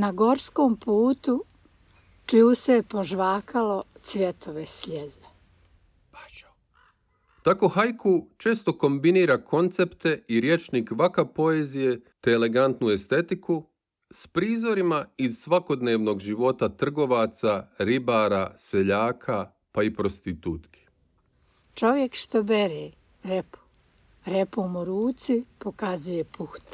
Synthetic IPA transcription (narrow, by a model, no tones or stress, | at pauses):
naɡo̞ɾskoːmpuːt̪u | kʎuːsejepoʒʋaːkʰalo̞t̪sʋʲjet̪ʰoʋesʎeze | pa | t̪ako̞xajkʰut͡ʃe̞ːst̪o̞ko̞mbiniːɾakʰo̞nt̪sept̪e̞iɾje̞t͡ʃnikʋakapo̞ezije̞t̪eːle̞ɡant̪nue̞st̪e̞t̪iku | spɾiːzo̞ɾimaizsʋako̞d̪ne̞ːʋno̞ɡʒiʋo̞t̪at̪r̩ɡo̞ʋat̪saɾibaɾase̞ʎaːkʰa | paipɾo̞st̪it̪ut̪kʰi̥ | t͡ʃoʋjekʃt̪obeɾeː | ɾepo̥ | ɾepomoɾuːt̪sipokazujepuxt̪